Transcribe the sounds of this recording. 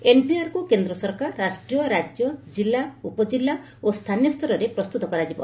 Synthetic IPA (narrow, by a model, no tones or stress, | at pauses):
enpiaɾkukend̪ɾɔsɔɾkaɾːasʈɾijɔɾad͡ʒjɔd͡ʒilːaupɔd͡ʒilːa | ost̪ʰanjɔst̪ʰɔɾɔɾepɾɔst̪ut̪ɔkɔɾad͡ʒibɔ̰